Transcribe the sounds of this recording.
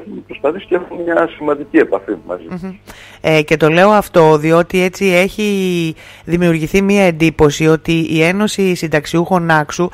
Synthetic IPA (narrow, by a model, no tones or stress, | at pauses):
exumepɾospɐθisi̥exumemɲɐsimɐnd̪icie̞pɐfimɐ̰zim | ece̞t̪o̞le̞o̞ɐft̪o̞ðio̞t̪ie̞t͡sie̞çi | ðimiuɾʝiθimiɐe̞nd̪ipo̞sio̞t̪iie̞no̞sisind̪ɐksiuxo̞nɐksu